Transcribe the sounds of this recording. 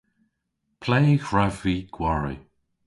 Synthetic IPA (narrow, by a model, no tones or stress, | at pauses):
pʰlejɡɹɛviɡ̥waɹḭ